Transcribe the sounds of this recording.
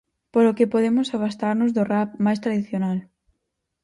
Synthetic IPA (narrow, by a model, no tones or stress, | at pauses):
polokepoðemʊsaβast̪aɾnʊzðʊrap̚majst̪ɾaðiθjonal